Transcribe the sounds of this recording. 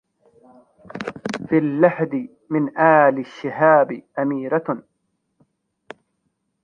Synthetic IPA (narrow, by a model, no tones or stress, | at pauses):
filːaħd̪ɪ | mɪnʔaːlɪʃːɪhaːbɪʔamiːɾa